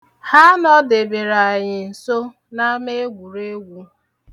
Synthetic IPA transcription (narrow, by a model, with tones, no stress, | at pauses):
ha˦nɔ˦de˨be˨ɾa˨ɲɪ˨n̩˨so˦ | na˦me˦ɡʷu˨ɾe˦ɡʷu˨